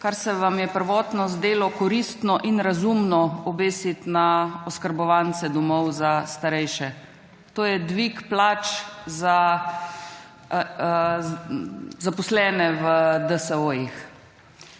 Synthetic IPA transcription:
kaɾsɛʋamjɛpəɾʋɔːt̪nɔzd̪eːlɔkɔɾist̪nɔʔinɾazumnɔɔbeːsit̪naɔskəɾbɔʋansɛd̪ɔmɔwzast̪aɾɛjʃɛ | t̪oːjɛd̪ʋikplaːt͡ʃza | zapɔslɛːnɛʋəd̪əsəojix

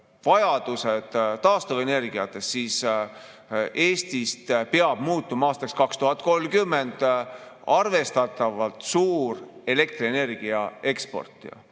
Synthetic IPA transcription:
vɑjɑd̪̥used̪̥t̪ːɑːst̪ove̞ne̞rɡ̥iɑt̪ˑːe̞ssiːs | ʔe̞ːst̪ist̪pe̞ɑb̥muːt̪ːˑumɑɑːst̪ɑkskɑkst̪uɦɑt̪̚ːˑko̞lkymːe̞nd̪̥ | ɑrve̞st̪ɑt̪ːˑɑvɑlt̪suːɾe̞le̞k̚t̪riene̞rɡ̥iɑe̞kspo̞̰rt̪ˑː

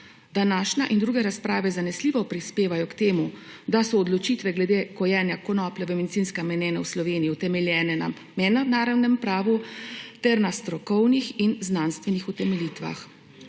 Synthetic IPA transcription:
d̪anaːʃnaʔind̪ɾuːɡɛɾaspɾaːʋɛzanɛsliːʋɔpɾispeːʋajɔkt̪eːmu | d̪asɔːd̪lɔt͡ʃit̪ʋɛɡlɛd̪ekɔjɛːnjakɔnɔːplɛʋəmɛd̪it̪sinskɛmɛnɛːnawslɔʋeːnijiut̪ɛmɛljɛːnɛna̰ | mɛnɔnaːɾawnɛmpɾaːʋut̪ɛɾnast̪ɾɔkɔwnixinznaːnst̪ʋɛnixut̪ɛmɛlit̪ʋa̰x

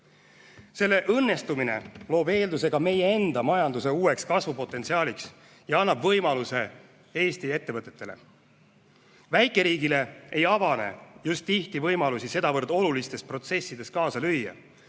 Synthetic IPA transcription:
se̞lːe̞ʔɤnːe̞st̪umine̞lo̞ːbe̞ːld̪use̞ɡ̥ɑme̞jee̞nd̪̥ɑmɑjɑnd̪use̞uːe̞kskɑsvupo̞t̪ːˑe̞nt̪siɑːliks | jɑɑnːɑbvɤ̞jmɑluse̞ | e̞ːst̪ie̞t̪ːe̞vɤt̪ːˑe̞̥t̪ːe̞le̞̰ | væjkːˑe̞ɾiːɡ̥ile̞ʔejɑvɑne̞̰just̪ːiht̪ivɤjmɑlusise̞d̪̥ɑvɤrd̪o̞lulist̪e̞spro̞t̪se̞sːid̪̥e̞st̪kɑːsɑlyjːɑ̰

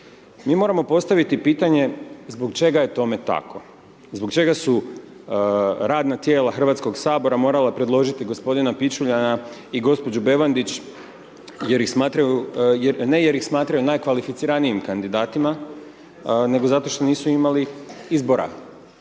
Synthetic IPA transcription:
miːmo̞ːɾamo̞po̞st̪aʋit̪ipiːt̪aɲe̞zbo̞ɡt͡ʃe̞ɡaje̞t̪o̞me̞t̪a̰kʰo̞ | zbo̞ɡt͡ʃe̞ɡasu | ɾaːd̪nat̪je̞ːlˠaxr̩ʋat̪sko̞ɡsaːbo̞ɾamo̞ːɾalapɾed̪lˠo̞ʒit̪iɡo̞spo̞d̪inapit͡ʃuʎanaiɡo̞spo̞d͡ʑube̞ʋand̪it͡ɕ | jeɾixsmaːt̪ɾajujnejeɾixsmaːt̪ɾajunajkʋalifit̪siɾaniimkand̪id̪aːt̪ima | ne̞ɡo̞zat̪o̞ʃt̪o̞niːsuimaliizbo̞ɾa̰

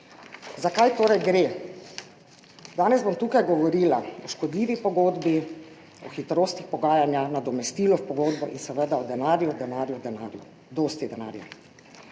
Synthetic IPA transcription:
zakajt̪oːɾɛjɡɾe | d̪aːnɛzbomt̪uːkajɡɔʋɔɾiːlaɔʃkɔd̪liːʋipɔɡoːd̪bi | ɔxit̪ɾoːst̪ixpɔɡaːjanjanad̪ɔmɛst̪iːlɔfpɔɡoːd̪bɔ̰ʔinsɛʋəd̪aɔd̪ɛnaːɾjud̪ɛnaːɾjud̪ɛnaɾju | d̪oːst̪id̪ɛna̰ːɾja̰

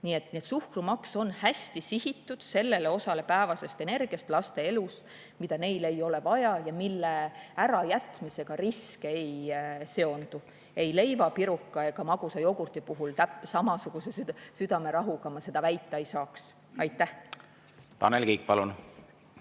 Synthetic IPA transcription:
nie̞t̪niet̪suhkrumɑkso̞nhæsʲt̪isihit̪ːud̪̥se̞lːe̞le̞o̞sɑle̞pæevɑse̞st̪ene̞rɡ̥ijɑst̪lɑst̪e̞e̞lus | mid̪ɑne̞jle̞jo̞le̞vɑjɑjɑmilːeæɾɑjæt̪mise̞ɡ̥ɑriskeejse̞o̞nd̪̥u | e̞jle̞jvɑpiɾukːɑeɡ̥ɑmɑɡ̥usɑjo̞ɡ̥urt̪ipuɦult̪æpsɑmɑsuɡ̥use̞sysyd̪̥ɑme̞ɾɑɦukɑmɑse̞d̪̥ɑvæjt̪ˑːeejsɑːks | ɑjt̪ːˑæh | t̪ɑ̰nelkiːk̚pɑlun

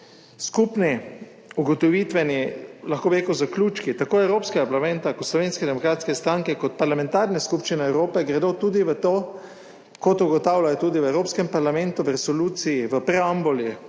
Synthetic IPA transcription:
skupni | uɡɔt̪ɔʋit̪ʋɛnilaxkoːbiɾeːkəwzakluːt͡ʃkit̪akoːɛwɾoːpskɛɡapaɾlamɛ̃nt̪akɔt̪slɔʋeːnskɛd̪ɛmɔkɾaːt̪skɛst̪ɾaŋkɛkɔt̪̚paɾlamɛ̃nt̪aɾnɛskupʃt͡ʃinɛɛwɾoːpɛɡɾɛd̪ot̪uːd̪iʋət̪o | kɔt̪uɡɔt̪awlajɔt̪uːd̪iʋɛwɾoːpskɛmpaɾlamɛ̃nt̪uʋəɾɛsɔluːt̪sijiʋəpɾɛambolji

